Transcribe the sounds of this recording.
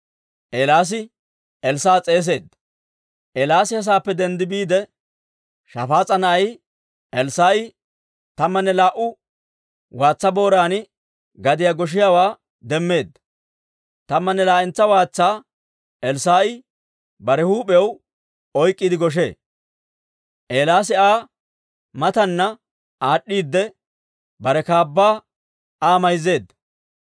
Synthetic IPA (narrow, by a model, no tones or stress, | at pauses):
ʔelaːs̬ɪ | ʔɛlsaːt͡sʼeːs̬e̞ːd̪ | ʔɛːlaːsɪhɐs̬aːpːɛd̪ɛnd̪ɪbiːd̪ɛ | ʃɐfaːt͡sʼːɐnɐʔɐj | ʔɛlsaːʔɪ | t̪ɐmːɐnːɛlaːʔʊ | waːt͡sːɐbo̞ːɾaːnɪ | ɡɐd̪ɪjaɡɔʃ̬ɪjawaː | d̪ɛmːe̞ːd̪ | t̪ɐmːɐnːɛlaːʔɪnt͡sːɐwaːt͡sːaː | ʔɛlsaːʔɪ | bɐɾɛhuːpɛw | ɔjkʼːɪd̪ɪɡɔʃ̬e̞̰ː | ʔeːlaːs̬ɪaː | mɐt̪ɐnːɐ | ʔaːɗːiːd̪ːɛ | bɐɾɛkaːbːaː | aːmɐjze̞ːd̪